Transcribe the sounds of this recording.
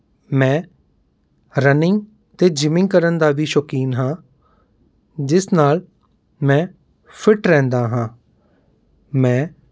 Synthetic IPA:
mɛ̃ː | ɾənɪŋɡ | t̪eːd͡ʒɪmɪ̃ŋɡkəɾənd̪aːbiːʃokiːnɦãː | d͡ʒɪsnaːl | mɛ̃ː | pʰɪʈɾɛ̃ːnd̪aːɦãː | mɛ̃ː

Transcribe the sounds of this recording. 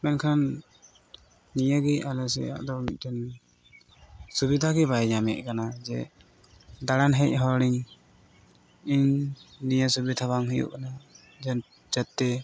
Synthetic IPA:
mɛnkʰan | ijəɡɛalɛsɛ̰a̰ʔd̪ɔmic̚ˀt̪ɛn | subid̪ʱaɡɛbaɛɲamɛ̰ʔ̚ˀkanad͡ʒɛ̰ | d̪aɽanɦɛc̚ˀɦɔɽiŋ | iɲnijasubid̪ʰʱaβaŋɦujṵʔkana | d͡ʒ | d͡ʒət̪ːɛ

